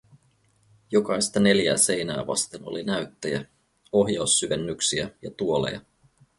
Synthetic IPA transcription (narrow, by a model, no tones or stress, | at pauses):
jo̞kɑjst̪ɑne̞ljæːse̞jnæ̰ːʋɑ̰st̪eno̰linæɥt̪ːæjæ | o̞ɦjɑuwsːyʋe̞nːyksiæjɑt̪uo̞le̞̰jɑ̰